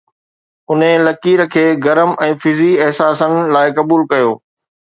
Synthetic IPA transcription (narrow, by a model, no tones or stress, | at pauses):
ʊnɪ̃lɐkiːɾə̆kʰeːɡɐɾəmɛ̃ːfɪziɛɦsaːsənɪ̆laːɪkɐbuːlkɐjoː